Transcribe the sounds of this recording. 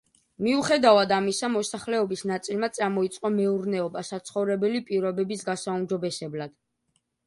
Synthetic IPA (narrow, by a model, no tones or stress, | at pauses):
miuχɛd̪avad̪amisamɔsaχlɛɔbisnat̪sʼilmat̪sʼamɔit̪sʼqʼɔmɛuɾnɛɔbasat̪sʰχɔvɾɛbɛlipʼiɾɔbɛbisɡasaumd͡ʒɔbɛsɛblad̪̥